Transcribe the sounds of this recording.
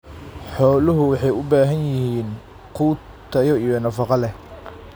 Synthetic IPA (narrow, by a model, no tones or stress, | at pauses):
ħɔːlʊɦʊwɑħɑjʊbaːɦɐnjɪhiːn | qʰuː | t̪ʰɐjɔijɔnɐfɑqɑlɛ